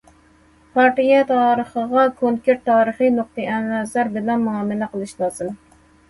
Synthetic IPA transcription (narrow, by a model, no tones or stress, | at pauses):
pʰɑɾt̪ijɛt̪ʰɑːɾəχəʁɑkʰoŋkʲeɾt̪ːɑːɾəχijnoq̚t̪ɨʔɛnwɛzæɾbɪlɛnmuɑːmɪlɛqəlˠɨʃlˠɑːz̥ɨm